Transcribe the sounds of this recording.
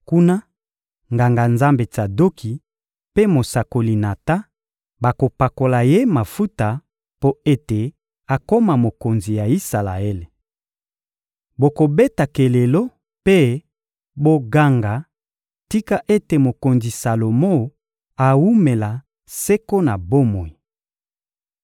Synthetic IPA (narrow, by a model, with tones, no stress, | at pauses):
ku˦na˦ | ŋɡa˨ŋɡa˨nza˦mbe˨ta˨do˦kʰi˨ | pe˦mo˨sa˨ko˨li˨na˨ta˦ | ba˨ko˨pa˨ko˨la˨je˦ma˨fu˦ta˨ | po˦e˦te˨ | a˨ko˦ma˨mo˨ko˨nzi˨ja˨i˦sa˨la̰˨e˦le˨ | bo˨ko˨be˦ta˨ke˨le˨lo˦ | pe˦ | bo˦ɡa˦ŋɡa˨ | ti˦ka˦ʔe˦te˨mo˨ko˨nzi˨sa˨lo˨mo˦ | a˨wu˦me˨la˨ | se˦ko˦na˨bo˦mo˨i˨